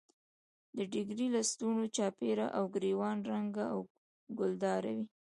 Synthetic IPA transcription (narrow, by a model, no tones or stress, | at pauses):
d̪əɖɪɡɾilast̪unot͡ʃɑpeɾa̰ʔawɡɾewɑnɾaŋɡaaw | ɡʊld̪ɑɾa̰wi